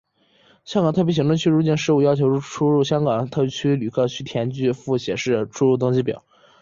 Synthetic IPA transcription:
ɕjɑ˥ŋkɑ˨˩ŋt̪ʰɤ˥˩pi˥˩ɕi˧˥ŋʈ͡ʂwə˥˧ŋt͡ɕʰy˥ɻu˧˥t͡ɕjɛ˥˩nʂɻ̩˥˧u˥˩jɑ˥ʊt͡ɕʰjo˧˥ʊɻu˥˩ʈ͡ʂʰu˥ɻu˥˩ɕjɑ˥ŋɡɑ˨˩˦ŋt̪ʰpi˧˥˩t͡ɕʰy˥ly˨˩kʰɤ˥˩t͡ɕʰy˥t̪ʰjɛ˧˥nt͡ɕy˥˧fu˥˩ɕjɛ˨˩ʂɻ̩˥˩ʈ͡ʂʰu˥ɻu˥˩t̪ʊ˥ŋt͡ɕi˥p̬jɑ̰˨˩˦

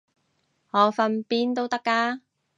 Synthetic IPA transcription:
hɔː˨˧fɐ˧npiː˥nt̪o˥wt̪ɐ˥kːaː˧˥

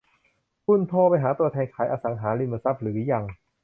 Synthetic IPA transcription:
pʰu˧˥˩nt̪ʰɔː˧˩pa˧jɦaː˩˦t̪u˧ɐt̪ʰɛː˧nkʰaː˨˩˦jʔaː˧sa˩˦ŋɦaː˩˦li˧məː˧sa˦˥˩p̚ɾɯː˩˦ja˧ŋ

